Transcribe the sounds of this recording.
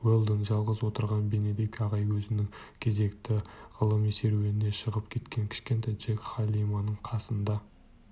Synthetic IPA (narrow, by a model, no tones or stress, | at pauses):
welˠd̪ənʒɑlˠʁəzwo̞t̪əɾʁɑnbe̞ned̪ekʲɑʁɑjwɵzɪnɪŋ | kʲʰe̞ze̞kt̪ɪʁ̥əlˠəmese̞ɾweɪne̞ʃəʁəpkʲʰe̞t̪kʲe̞ŋkʲʰɪ̥ʃkʲe̞nt̪ɑjʒ̥ekχɑlʲimɑnəɴqʰɑsənd̪ɑ